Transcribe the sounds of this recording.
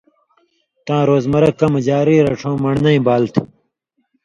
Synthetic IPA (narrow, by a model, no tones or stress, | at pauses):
t̪ãːɾoːzmɐɾɐkɐmɐd͡ʑaːɾiːɾɐʈ͡ʂʰõːmɐɳnɐĩbaːlt̪ʰ